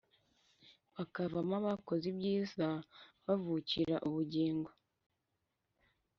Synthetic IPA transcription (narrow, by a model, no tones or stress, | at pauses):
βakavamaβako̞zibɟiːzaβavuciɾaʔuβuɟeːŋɡo